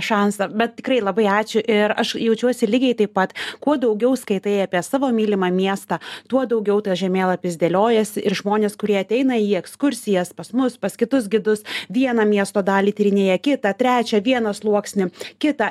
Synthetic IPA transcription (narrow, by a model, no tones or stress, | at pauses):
ʃɑnsɐbʲɛt̪̚tʲɪkrɐɪlˠɐbɐɪɑːt͡ʃʲʊʔɪɾɐʃjɛʊt͡ʃʲuɔsʲɪlʲɪɡʲɛɪt̪ɐɪppɐt̪kuɔd̪ɐʊɡʲɛʊskɐɪt̪eːjɑːpʲiɛsɑːʋoːmʲiːlʲɪmɑmʲiɛst̪ɑt̪uɔd̪ɐʊɡʲɛʊt̪ɐɪʒʲɛmʲeːlˠɐpʲɪzʲd̪ʲeːlʲoːjɛsʲɪɪɾʒmoːnʲeːskʊɾʲiɛɐt̪ʲɛɪnɐiːɛkskʊɾʲsʲɪjɛspɐsmʊspɐskʲɪt̪ʊs̬ɡʲɪd̪ʊsʋʲiɛnɐmʲiɛst̪oːd̪ɑːlʲiːt̪ʲiːɾʲɪnʲeːjɛkʲɪt̪ɐt̪ʲɾʲæːt͡ʃʲɛʋʲiɛnɐslˠuɔksʲnʲɪkʲɪt̪ɐ